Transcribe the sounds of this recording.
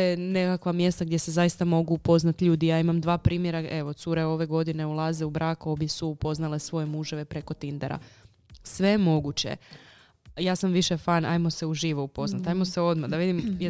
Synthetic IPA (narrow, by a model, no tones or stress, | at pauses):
jene̞kakʋamje̞st̪aɡd̪je̞se̞zajist̪amo̞ɡuːpo̞znat̪ʎuːd̪ijaːimamd̪ʋaːpɾiːmje̞ɾae̞ʋo̞t̪suɾe̞o̞ʋe̞ɡo̞d̪ine̞ulˠaze̞ubɾaːkobjesuːpo̞znale̞sʋo̞jemuʒeʋe̞pɾe̞ko̞t̪ind̪eɾa̰ | sʋe̞jemo̞ɡut͡ɕe̞̰ | jaːsamʋiʃefaːna̰jmo̞se̞uʒiːʋoupo̞znat̪ajmo̞seo̞d̪mad̪aʋid̪imj